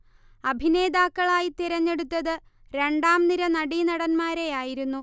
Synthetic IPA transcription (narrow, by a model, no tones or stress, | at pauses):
ɐbʱine̞ːd̪aːkːɐɭaːjit̪iɾɐɲːe̞ɽut̪ːɐðɨ | ɾe̞ɳɖaːmniɾɐnɐɽinɐɽɐnmaːɾejaːjiɾunːu